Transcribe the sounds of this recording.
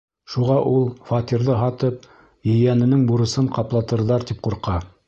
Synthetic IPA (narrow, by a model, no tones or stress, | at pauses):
ʃuʁɑʔulˠfɑt̪ʲiɾðɤɦɑt̪ɤp̚ | jɘ̆jænɘ̆nɘŋbuɾɤ̆sɤɴqɑplˠɑt̪ɤ̆ɾðɑɾt̪ip̚quɾqɑ